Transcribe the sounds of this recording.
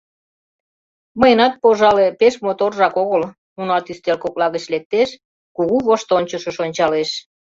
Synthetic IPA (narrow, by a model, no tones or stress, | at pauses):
məjənɑt̪̚poʒɑlepeʃmot̪orʒɑkoɣəl | unɑt̪yst̪elkoklɑɣət͡ɕlek̚t̪eʃ | kuɣuβoʃt̪onʲt͡ɕəʃə̆ʃonʲt͡ɕɑleʃ